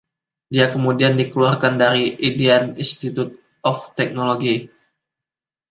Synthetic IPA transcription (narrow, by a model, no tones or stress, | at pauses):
diakəmudiandikəluarkandaɾiʔideaninst̪it̪ut̪̚ | ɔft̪ɛk̚noloɡi